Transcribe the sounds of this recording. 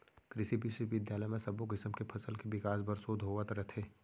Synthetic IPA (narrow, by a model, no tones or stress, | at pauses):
kɾɪsibiseʋɪd̪jaːləjmẽsɐbokɪsəmkepʰɐsəlkeʋɪkaːs̬bɐɾsoːd̪ʱɦoːʋat̪ɾɐt̪ʰeː